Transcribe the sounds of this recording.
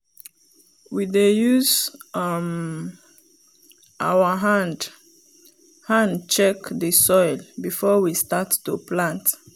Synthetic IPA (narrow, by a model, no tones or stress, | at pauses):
widejuz | m | ʔawəɦand | hãndt͡ʃɛkdəsɔjlbifɔwistatːuplãnt